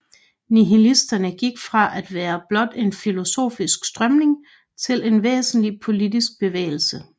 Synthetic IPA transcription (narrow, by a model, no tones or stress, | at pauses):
niɦilisd̥ɐnəɡ̥iɡ̥fʁɑ̈ʔæd̥ʋæːɐb̥lɒ̽d̥e̝nfilo̝so̝̰ːfisɡ̥sd̥ʁɶmne̝ŋ | t͡sʰe̝le̝nʋḛːsn̩lipʰo̝lid̥is̬ɡ̥̚b̥e̝ʋḛːl̩sə